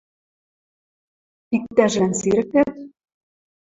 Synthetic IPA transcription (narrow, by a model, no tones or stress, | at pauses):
ik̚t̪ːæʒɘ̆nsiɾɘ̆kæt̪